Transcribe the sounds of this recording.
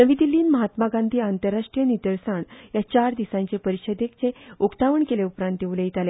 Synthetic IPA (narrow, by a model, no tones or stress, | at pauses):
nəʋid̪ilːiːnməɦat̪maɡand̪ʱiːant̪əɾːaʂʈɾijənit̪əɾsaɳjat͡ɕaɾd̪isãɲt͡ɕepəɾiɕəd̪ekt͡seokt̪aʋəɳkeleupɾãnt̪̚ːeʋuleit̪ale